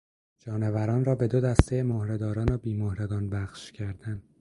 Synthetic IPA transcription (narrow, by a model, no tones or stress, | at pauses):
d͡ʒɒːnevæɾɒːnrɒːbe̞d̪od̪æst̪ʰejemohɾed̪ɒːɾɒːnobiːmohɾeɡɒːnbæχʃcʰæɾd̪ænd̪̥